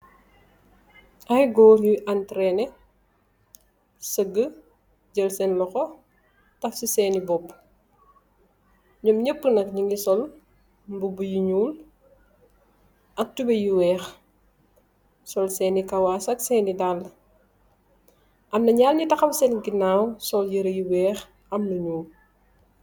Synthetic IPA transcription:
ɐxiɡɔːɾjiʔantɾɛnɛ | səɡə | ɟəlsɛnlɔxɔ | tɐfsisɛːnibɔpː | ɲɔmɲəpːənɐk̚ɲiŋɡisɔl | mbubujiɲuːl | ʔɐk̚tubɐjiwɛːx | sɔlsɛːnikɐwasɐksɛːnidalː | ʔɐmnɐɲalnitɐxɐmsɛnɡinawsɔljəɾɐjiwɛːx | ɐmnɐɲuːl

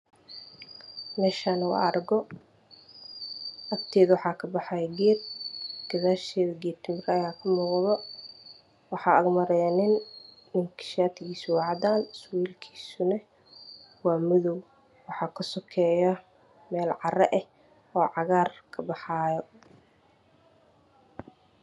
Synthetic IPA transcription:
mɛːʃaːnɐwɑ̰ɐrɡɔ | ʔɐkt̪ʰɛːðwɑħɑːkʰɐbɑħɑːjɛɡɛːrɡ̥ɐðaːʃɛːðɐɡit̪ʰɪmɪɾɐjaːkʰɐmuːqðɔ | wɑħɑːɐɣmɐɾɛjɐnɪn | mɪŋkʰɪ̥ʃaːt̪ʰɪɣiːsʊwɑʕd̪aːnswiːlkʰi̥ːsʊnɐ | wɑːmʊðɔw | wɑħɑːkʰɐsɔkʰɛːjɐ | mɛːlʕɑrɛʔɛh | ɔːʕɑɣaːrkʰɐbɑħɑːjɔ

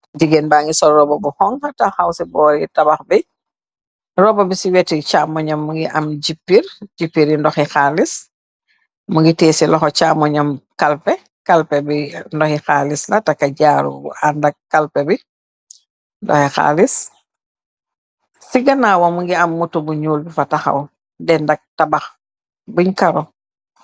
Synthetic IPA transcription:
d͡ʒiɡenbaːŋɡisɔɾɔbɔbuhɔŋhɐtaxawsibɔːɾitɐbɐxbi | rɔbɐbisiwɛtit͡ʃaːmɔɲɐmːuŋɡiʔɐmɟipːiɾɟipːiɾindɔxɛxaːlis | muŋɡitɛːsilɔxɔt͡ʃaːmɔɲɔmkalpɛ | kalpɛbindɔxixaːlislatakːaɟaːɾṵandak̚kːalpɛbi | ndɔ̰xixa̰ːlis | siɡɐnaːwamuŋɡiɐmːutubuɲuːlbifataxɐ̰w | dɛndaɡ̚tabax | buɲkaɾɔ

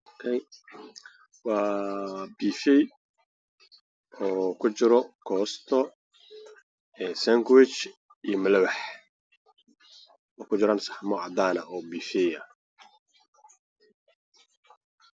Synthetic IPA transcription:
ɔkʰɛj | wɑːbiːfɛj | ɔːkʰʊt͡ʃɪɾɔkʰɔːst̪ʰɔ | ɛːsaŋɡwɪt͡ʃ | ijɔmɪlɐwɑħ | ɔːkʰʊt͡ʃɪɾɐmsɑħmɔʕɑd̪aːnɐʔɔːbiːfɛjɐ

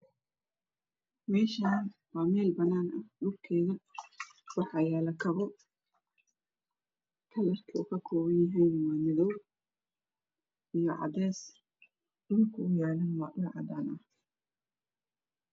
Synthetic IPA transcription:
mɛːʃɐnwɑːmɛːlbɐnːaːnɐhɗʊlkʰɛːɣɐ | wɑħɑːjɛːlɐkʰɐβɔ | kʰɐlɐrkʰɐʊkʰɐkʰɔːβɐnjɐɦiːnwɑːnɪðɔw | ijɞʕɑ̰d̪ɛːs | d̥ʊlkʰɐʊjaːlɐnwɑːʔʊlʕɑ̰d̪aːnɐh

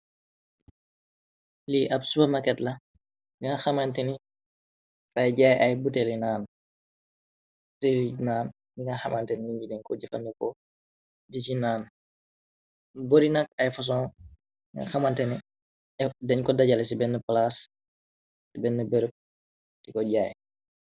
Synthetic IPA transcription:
liʔɐpsubɐmɐkɛtlɐ | ɡiŋɐxɐmantɛni | fɐjɟaːjʔɐjbutɛlinaːn | telinaːn | diŋɐxɐmʔantɛniɲɟidɛɲkɔɟɛfɐ̰nɛkɔ | dit͡ʃinaːn | boɾinɐk̚ɐjfɐs̬ɔ̃ːŋ | ŋɐ̰xɐmɐntɛni | ɛdɛɲkɔdɐɟɐlɛs̬ibɛnːəplas | sibɛnːəbəɾək̚ | tikɔɟaːj

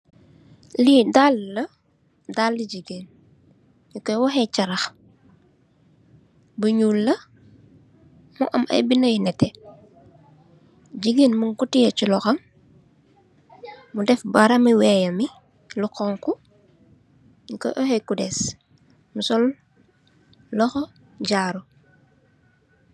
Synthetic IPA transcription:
lidalːɐ | dalːiɟiɡeːn | ɲukɔjwɐxɛt͡ʃɐɾɐx | bəɲuːlːɐ | muʔɐ̰mʔɐ̰jbinəjinɛtːɛ | ɟiɡinmuŋkutijɐt͡ʃilɔxɐm | mudɛfbaɾɐmiwɛːjɐmi | luqɔŋku | ɲukɔ̰jʔɔhɛkudɛs | musɔl | lɔxɔ | ɟaːɾu

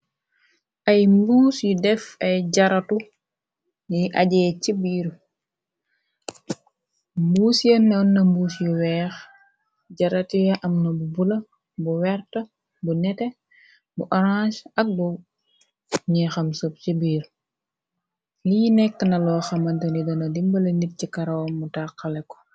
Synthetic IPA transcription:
ʔɐjmbuːsjudɛfɐjɟɐɾɐtu | niʔɐɟɛːcibiːɾ | mbuːsjɐnːɛwnːɐmbuːsjuwɛːx | ɟɐɾɐtijɐʔɐmnɐbubulɐ | buwɛrtɐ | bunɛtɛ | buʔɔɾãːʃɐk̚bu | ɲɛxɐmsup̚cibiːɾ | lijinɛk̚tɐnɐlɔːxɐmɐntɐnidɔnɐdimbɐlɐnit̚cikɐɾɐwɔmːutaːqːɐlɛkːɔ̥

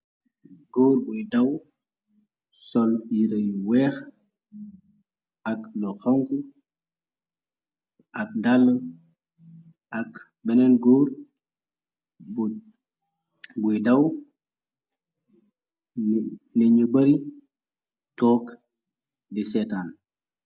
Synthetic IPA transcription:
ɡoːɾbudɐw | sɔljiɾɐjwɛːx | aklɔxɔŋku | ʔɐk̚dalːə | ak | bɛnɛnɡoːɾ | b | bujdɐw | nɛɲubɐɾi | tɔːk | disɛtaːn

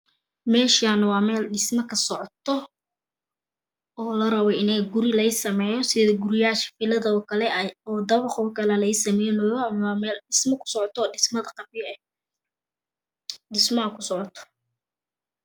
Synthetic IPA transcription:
mɛːʃanɐwɑːmɛːlɖɪsmɐkʰɐsɔʕɔt̪ʰɔ | ɔːlɐɾɐβɛɪnɛjɡʊɾɪlɐɪsɐmɛːjɔsɪɡʊɾɪjaːʃfɪlɐðɐɔːkʰɐlɛɔːd̪ɐβɐχɔːkʰɐlɐlɐjsɐmɛjnɔjmːmɛːlɪsmɐkʰʊ̥sɔʕɔt̪ʰɔːɪsmɐðɐqɑbjɐɛ | ɖɪsmɐɐkʰʊsɔʕɔt̪ʰɔ̥

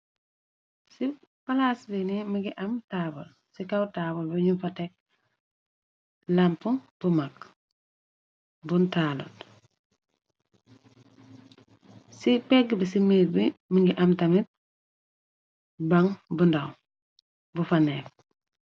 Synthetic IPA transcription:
si | pɐlasbinimiɡiʔɐmtabɔl | sikawtaːbɔlbuɲufatek̚ | lampuŋb̥umak | buntalṵt | sipɛɡbisimeːbimiŋɡiʔɐmtɐmit̚ | bɐŋbundaw | bufanɛːf

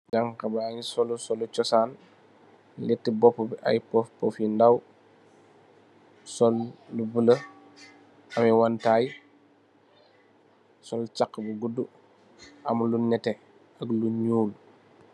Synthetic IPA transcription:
d͡ʒaŋkabaaɲsɔlusɔlut͡ʃɔsaːn | lɛtːibɔpːubiʔa̰jpɔfpɔfindaw | sɔlːubələ | ɐmɛwantaj | sɔlt͡ʃakːəbuɡudu | ɐmlunɛte | ɐɡluɲuːl

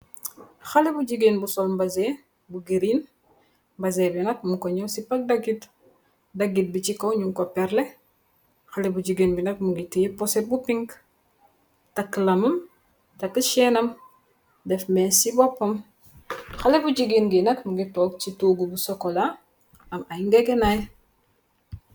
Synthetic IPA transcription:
xɐlɛbuɟiɡinbusɔlmbɐzɛ | buɡiɾin | mbɐzɛbinɐk̚muŋkɔɲɔsipɐk̚dɐɡit | dɐɡit̚bit͡ʃikɔwɲuŋkɔpɛɾlɛ | xɐlɛbuɟiɡinbinɐk̚muɡitijpɔsɛt̚bupiŋɡ | tɐkːlɐmɐm | tɐkːəʃɛnɐm | dɛfmɛːsibɔpːɐm | xɐlebuɟiɡinɡinɐkmuɡitɔk̚t͡ʃituːɡubusɔkola | ɐmajŋɡeɡenaj

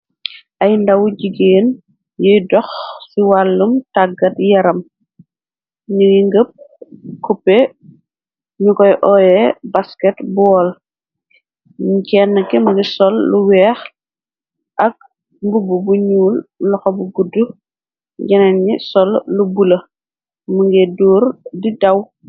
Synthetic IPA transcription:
ʔɐjndɐwuɟiɡeːn | jɔjdɔxsiwalːumtaɡɐtjɐɾɐm | ɲujiŋɡəp̚kupːɛ | ɲukɔjʔɔːjɛbaskɛtbɔːl | ɲcɛnːɐkɛmɐɡisɔlːuwɛːx | ʔɐk̚ | mbububuɲuːllɔxɔbuɡudːu | ɡɛnɛnɲisɔlːubulɐ | muŋɡɛdɔːɾdidɐw

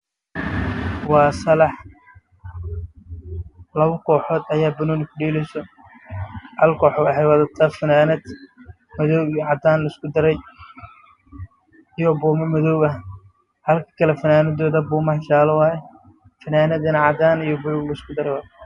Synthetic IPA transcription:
wɑːsɐlɑħ | lɐβɐkʰɔːħɔːd̪ɐjaːbɐnɔːnɪkʰʊɖiːlɛsɔ | hɐlkʰɔːħɔwɐħɛjwɐːðɐt̪ʰɐfɐnaːnɐd̪ | mɐðɔʕɑd̪aːnlɐɪskʊd̪ɐɾɛj | ijɔbɔːmɐmɐðɔwβɐ | hɐlkʰɐ̥kʰɐlɛfɐnaːnɐd̪ɔːðɐbuːmɐht͡ʃaːlɐwɑːjɛ | fɐnaːnɐd̪ɪnɐʕɑd̪aːnijɔbʊlʊɡlɐɪskʰʊd̪ɐɾɛjwaː

